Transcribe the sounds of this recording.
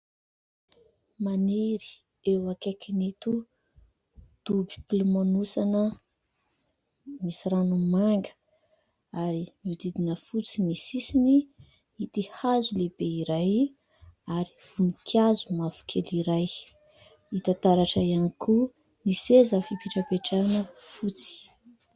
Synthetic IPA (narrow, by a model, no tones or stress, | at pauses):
maneɾi̥ | ewakekinet̪u | d̪̥ubi̥pulumanusanə | misiɾanumaŋɡə̥ | aɾimid̪id̪inəfut͡sinisisini | it̪ihazulebeiɾaj | aɾiv̥unikʰjazumafu̥kʰeliɾaj | it̪at̪aɾaʈ͡ʂəianikʰu | nisezəfipiʈ͡ʂəpeʈ͡ʂanəfut͡si̥